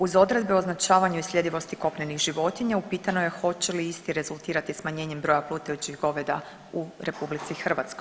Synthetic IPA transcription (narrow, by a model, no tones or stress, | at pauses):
uzo̞d̪ɾe̞d̪beoznat͡ʃaːʋaɲuislʲʎe̞d̪iʋo̞st̪iko̞pnenixʒiʋo̞t̪iɲaupiːt̪anoje̞xo̞t͡ɕe̞liist̪iɾe̞zulˠt̪iːɾat̪ismaɲe̞ːɲe̞mbɾo̞japlˠuːt̪ejut͡ɕiɣɡo̞ʋed̪a | uɾe̞publit̪sixr̩ʋat̪sko̞j